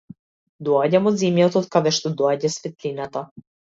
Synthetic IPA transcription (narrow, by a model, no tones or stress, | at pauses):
d̪ɔaɟamɔd̪zimjat̪ɔt̪kad̪ɛʃt̪ɔd̪ɔaɟasfɛt̪linat̪a